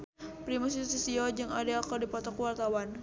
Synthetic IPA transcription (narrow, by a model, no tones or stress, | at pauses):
pɾimus̬it̪sisiɔd͡ʒɨŋadaakadipɔt̪ɔkuwart̪awan